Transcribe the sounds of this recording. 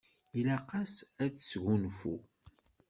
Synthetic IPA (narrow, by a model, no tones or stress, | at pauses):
ilæqɑsæθsʝunfṵ